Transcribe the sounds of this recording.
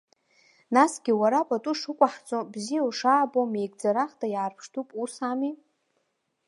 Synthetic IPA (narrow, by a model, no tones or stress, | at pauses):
nasɡʲiwaɾapʼatʼuʂɨkʷʼaħt͡sʷʼobzijawʂaːbomejɡʼd͡zaɾaχtʰʼajaːrpʰʂtʰupʼursami